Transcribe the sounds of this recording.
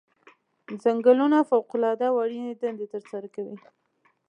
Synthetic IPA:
zaŋɡəlunafawqʊlɑd̪awaɽined̪and̪et̪əɾsaɾakawi

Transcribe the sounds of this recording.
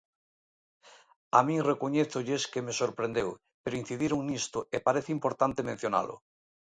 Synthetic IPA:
amĩŋrekoɲeθʊʎeskemesoɾpɾẽnd̪ew | peɾʊin̟θiðiɾoŋnist̪ʊepaɾeθimpoɾt̪ant̪emẽn̟θjona̰lʔʊ̰

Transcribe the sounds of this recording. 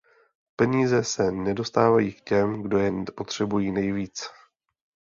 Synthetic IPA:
pɛɲiːzɛsɛnɛdo̞st̪aːvajiːkcɛmɡdo̞jɛnpo̞t̪r̝̥ɛbujiːnɛjviːt͡s

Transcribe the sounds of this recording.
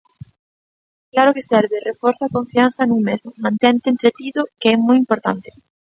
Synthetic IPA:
klaɾʊkesɛɾβɪrefɔɾθakõɱfian̟θɐnũŋmezmʊmãnt̪ɛnt̪eːnt̪ɾet̪iðʊkeɛmɔjimpoɾt̪ant̪e̥

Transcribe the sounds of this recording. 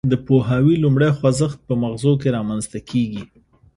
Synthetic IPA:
d̪əpoɦawilumɽajxwazəxt̪̚pəmaɣzok̬eɾɑmanzt̪akʰeɡi

